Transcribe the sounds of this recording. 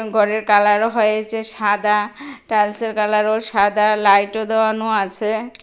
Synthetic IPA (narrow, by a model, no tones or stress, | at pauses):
ɡʱɔɾeɾkalaɾoɦɔjet͡ɕeʃad̪aʈalseɾkalaɾoʃad̪alajʈod̪eoanoat͡ɕʰe